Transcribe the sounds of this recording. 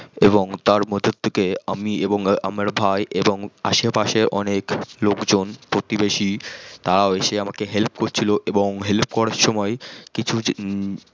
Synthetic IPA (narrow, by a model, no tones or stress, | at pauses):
eboŋt̪aɾmɔd̪ʱot̪̚t̪ʰːekeamieboŋʔa̰maɾbʱajʔeboŋa̰ʃepaʃeɾʔɔneklokd͡ʑonpɾot̪ibeʃit̪aɾaoeʃeamakeɦelp̚koɾt͡ɕʰiloʔeboŋɦelp̚kɔɽaɾʃɔmɔekit͡ɕʰu